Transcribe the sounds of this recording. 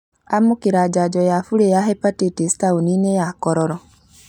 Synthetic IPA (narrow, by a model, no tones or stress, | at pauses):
amokeɾad͡ʒad͡ʒɔjafuɾejaɦɛpatetestaoninejakɔɾɔɾɔ